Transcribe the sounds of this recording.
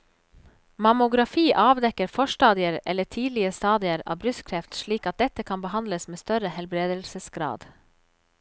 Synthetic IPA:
mɑmʊɡɾɑfiːʔɑːʋd̪ɛkəɾfɔʃʈɑːd̪ɪəɾɛ̰lːətʰiːd̪lɪəst̪ɑːd̪ɪəɾɑ̰ːʋbɾʉskʰɾɛft̪ʃɭiːkɑt̪̚d̪ɛt̪əkʰɑmbəhɑnd̪ləsmeːst̪œɾəhɛlbɾeːd̪əlsəsɡɾɑ̰ːd̪

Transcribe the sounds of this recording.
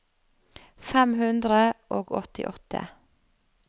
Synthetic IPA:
fɛmhʉnd̪ɾəʔoːɡɔt̪ɪ̰ʔɔt̪ə̰

